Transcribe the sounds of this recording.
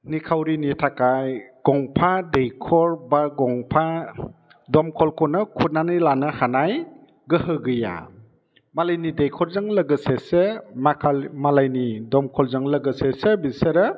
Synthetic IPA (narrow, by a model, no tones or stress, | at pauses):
nikʰawɾinitʰakajɡ̥ɔŋpʰadejkʰɔɾbaɡɔŋpʰa | dɔmkʰɔlkʰɔnɯkʰunanɯjlanɯhanaj | ɡɯhɯɡɯja̰ | malajnidejkʰɔɾzaŋləɡɯsesemakʰalmalajnidɔmkʰɔlzaŋləɡɯsesebiseɾɯ